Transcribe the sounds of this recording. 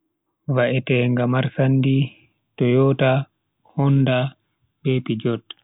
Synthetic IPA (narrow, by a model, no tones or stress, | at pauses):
vaʔɛtɛŋɡamaɾsandi | tɔjɔːta | hɔnda | ɓɛpid͡ʒɔt